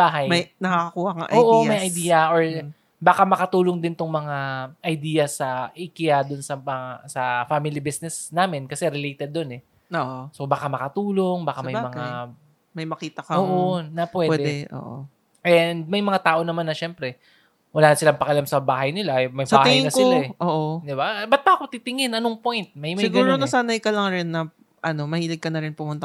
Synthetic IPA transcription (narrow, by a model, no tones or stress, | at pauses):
baːɦɐjmɐjnɐkːaɐkuːhɐa̰ʔoːʔo̞mɐjʔɐjd̪iːjɐʔoɹ | baːkamɐkɐt̪uːloŋd̪ɪnt̪oŋmɐŋaʔɐjd̪iːjɐsɐʔikɪjad̪ʊnsɐmɐasɐfamɪlibisnɛsnaːmɪnkɐsɛɾɪlejt̪ɛd̪̚ːonɛ | oʔoso̞bakamɐkɐt̪uːloŋbaːkamɐjmɐŋa | mɐjmɐkiːt̪ɐkɐoːʔonɐpwɛːwɛd̪d̪ɛʔo̰ːʔo̰ | ʔɛnd̪̚mɐjmɐŋat̪aːʔo̞nɐmanːɐʃɛmpɾɛ | wɐlaːnɐsɪlaŋpɐkɐlamsɐbaːɦɐjnɪlaʔmɐjbsɐaːh̪ɪɐjɪnɐskɪolaɛʔoːʔod̪ɪbabɐt̪̚baʔko̞t̪it̪ɪŋɪnʔɐnoŋpo̞jnt̪̚mɐjmɐsɪɡɐːɾonɐsaːnajkɐlɐŋɾɛnːɐ | ʔɐno̞mɐhiːlɪɡ̚kɐnɐɾɪnpʊmʊnt̪ɐ